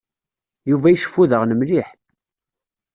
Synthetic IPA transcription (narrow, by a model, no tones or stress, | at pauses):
juvæjəʃə̥fuðəʁnəmliħ